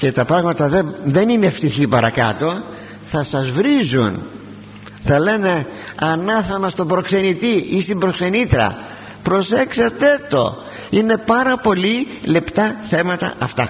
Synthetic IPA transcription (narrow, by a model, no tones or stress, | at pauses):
ce̞t̪ɐpɾɐɣmɐt̪ɐðeðe̞nineft̪içipɐɾɐkɐ̰t̪o̞ | θɐsɐzvɾizṵn | θɐle̞ne̞ | ɐnɐθɐnɐst̪obɾo̞kse̞nit̪iist̪imbɾo̞kse̞nit̪ɾɐ̰ | pɾo̞se̞kset̪e̞t̪o̞̰ | ine̞pɐɾɐpo̞li | le̞pt̪ɐθe̞mɐt̪ɐ̰ɐft̪ɐ̰